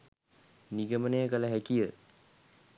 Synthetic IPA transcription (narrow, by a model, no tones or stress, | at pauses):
niɡəmənejəkələɦækijə